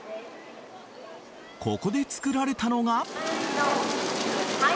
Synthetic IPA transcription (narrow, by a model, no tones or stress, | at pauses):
kʰo̞ko̞d̪e̞t͡sɨ̥kɯ̟ɾaɾe̞t̪ano̞ɡa